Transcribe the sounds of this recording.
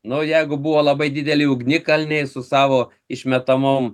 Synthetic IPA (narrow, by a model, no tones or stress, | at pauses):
nʊjɛɪɡʊbʊʋoːlˠɐbɐɪd̪ʲɪd̪ʲɛlʲɪʊɡnʲɪkɐlʲnʲɛɪsʊsɑːʋoː | ɪʃʲmʲɛt̪ɐmʊm